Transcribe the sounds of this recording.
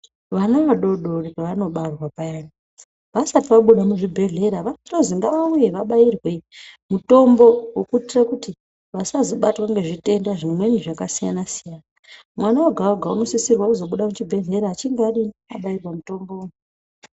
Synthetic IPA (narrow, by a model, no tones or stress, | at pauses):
ʋanaʋaɗo̞ɗorikaʋano̞ɓarwapajani | ʋasatiʋaɓuɗamuʐibʱe̞ɮe̞ɾaʋanotoziŋɡaʋaujeʋaɓairwe̞muto̞mbo̞wukutirakuti | ʋasazoɓatwaŋɡeʐite̞ndaʐimwe̞niʐakasija̰nasijana | mwanaoɡʱaoɡʱauno̞sisirwakuzo̞ɓuɗamut͡ʃibʱe̞ɮe̞ɾaːt͡ʃiŋɡaɗiniaɓairwamuto̞mbo̞unu